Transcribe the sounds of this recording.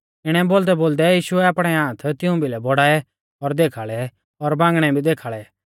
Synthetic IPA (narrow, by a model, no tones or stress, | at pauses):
ɪɽ̃ɛboːld̪ɛboːld̪ɛjiːʃʊɛaːpɽ̃ɛãːt̪ʰt̪ɪũbʱilɛbɔɽaːɛ | ɔɾd̪eːkʰaːɭɛ | ɔɾbãːŋɡɽ̃ɛbʱid̪eːkʰaːɭɛ